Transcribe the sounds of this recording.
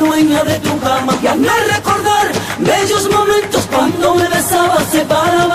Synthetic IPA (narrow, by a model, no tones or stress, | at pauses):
oeɲaðet̪ɾoɣɾamaanareko̞ɾðaɾbeʎozmo̞mẽ̞nt̪oskwand̪omeβesaβasepaɾaβ